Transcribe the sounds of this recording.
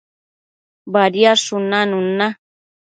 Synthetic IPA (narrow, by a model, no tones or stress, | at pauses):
baɾjaʂʊnanuna